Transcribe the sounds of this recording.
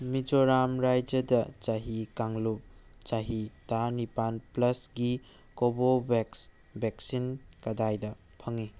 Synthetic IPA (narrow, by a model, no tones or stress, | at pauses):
mid͡ʒoɾamɾajd͡ʒɐdɐt͡ʃaɦikaŋlup̚t͡ʃaɦitanipanplɐsɡi | kobobes | beksinkɐdajdɐ | pʰɐŋi